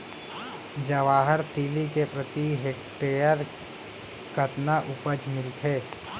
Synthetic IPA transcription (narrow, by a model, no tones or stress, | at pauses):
d͡ʒəʋaːɦəɾt̪iːlikepɾət̪iɦeːkʈeːjəɾ | kʰət̪naʔʊpəd͡ʒmɪlt̪ʰɦeː